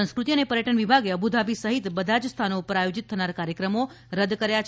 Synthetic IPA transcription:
ə̃skɾut̪iənepəɾjəʈənʋibʱaɡeəbʱud̪ʱabisəɦit̪bəd̪ʱad͡ʒst̪ʰanoupəɾajod͡ʒit̪ʰːənaɾkaɾjəkɾəmo | ɾəd̪kəɾjat͡ʃʰ

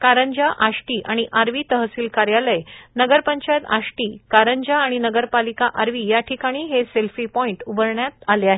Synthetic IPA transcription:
kaɾəɲd͡ʑaʔaʂʈiːʔaɽ̃iʔaɾʋiːt̪əɦəsiːlkaɾjaləjnəɡəɾpəɲt͡ɕajt̪a̰ʂʈiːkaɾəɲd͡ʑaːɽ̃inəɡəɾpalikaʔaɾʋiːjaʈʰikaɽ̃iːɦeselfiːpɔiɳʈubəɾɳjat̪aleaɦe

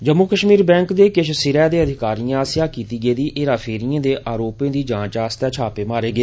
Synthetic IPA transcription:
d͡ʒəmːukəʃmiːɾbɛ̃ːŋkd̪eːkɪʃsɪɾɛːd̪eːəd̪ʱɪkaːɾijãːsɪjaːkiːt̪iːɡeːd̪iːʔʔeːɾaːpʰeːɾijãːd̪eːʔaːɾoːpẽːd̪iːd͡ʒãːt͡ʃaːst̪ɛːt͡ʃʰaːpeːmaːɾeːɡeː

